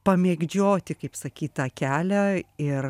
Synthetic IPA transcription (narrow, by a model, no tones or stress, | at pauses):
pɐmʲeːɡd͡ʒʲoːt̪ʲɪkɐɪpsɐkʲiːt̪ɐːkʲæːlʲæɪr